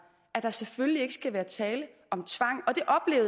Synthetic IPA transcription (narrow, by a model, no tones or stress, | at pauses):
æd̥ɑ̈seføllie̝ɡ̥əsɡ̥æʋæːɐt͡sʰɛːlə | ɒ̽mt͡sʰʋɑ̈ŋ̰ɒ̽d̥e̝ʔɒ̽b̥le̝̰ːʊ